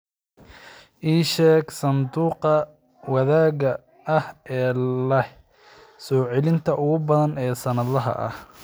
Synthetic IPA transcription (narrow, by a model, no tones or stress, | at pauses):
ʔiːʃɛːɡsɐnd̪uːqɐ | wɐðaːɣɐ | ɐhɛːlɐ | sɔːʕɛlɪnt̪ʰɐʔʊɣʊbɐðɐnɛːsɐnɐðɐɦɐ̰ʔɐ̰h